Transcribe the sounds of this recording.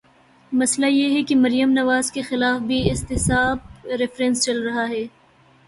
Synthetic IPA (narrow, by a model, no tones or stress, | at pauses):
mɐslajeɦɛkemɐɾijəmnɐʋaːzkexɪlaːfbʱiɪst̪ɪsaːb̚ɾɪfɾɛ̃ːnst͡ʃɐlɾɐɦaɦɛː